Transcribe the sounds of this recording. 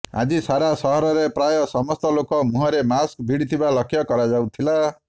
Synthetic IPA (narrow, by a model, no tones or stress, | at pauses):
a̰d͡ʒisaɾasɔɦɔɾɔɾepɾajɔsɔmɔst̪ɔlokɔmuɦɔɾemaskbʱiɽit̪ʰibalɔkʰjɔkɔɾad͡ʒawt̪ʰila